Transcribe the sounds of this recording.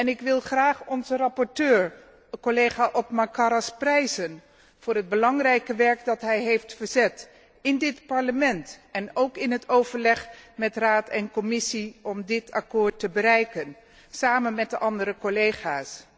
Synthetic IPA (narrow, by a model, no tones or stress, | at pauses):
ɛnɪkʋɪlˠχraːχɔnzərɑpɔɹtøːɹ | əkolejχaːʔɔpmakaɾasprɛjzən | v̥ʊːɾɦəd̚bəlɑŋrɛjkəʋɛɹkdɑtɦɛjɦejftfəɹzɛt | ɪndɪtpɑɹləmɛntɛnowkɪnɦətowvəɹlɛχmɛtraːtɛnkɔmɪsiɔmdɪtʰakʊːɹtːəbəɾɛjkən | saːmənmɛt̚dəʔɑndəɾəkolejχaːs